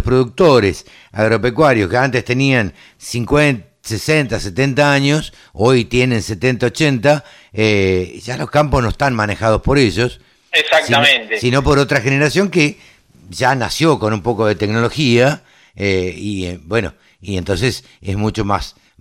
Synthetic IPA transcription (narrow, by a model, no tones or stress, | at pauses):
ohpɾoðuk̚t̪o̞ɾes | a̰ɣɾo̞pekwaɾjoskeant̪est̪e̞nian | siŋkwe | sesent̪aset̪ent̪aaɲo̞s | o̞jt̪je̞nẽ̞nset̪ent̪aot͡ʃent̪a | eʒ̥alo̞hkamposno̞est̪anmane̞xað̞o̞spo̞ɾeʒo̞s | esak̚siamẽnt̪esino̞po̞ɾo̞t̪ɾaxeneɾasjo̞ŋke | ʒanasjo̞ko̞numpo̞ko̞ðe̞t̪ekno̞lo̞xia | eibwe̞no̰ | ient̪o̞nses | ḛzmut͡ʃo̞mas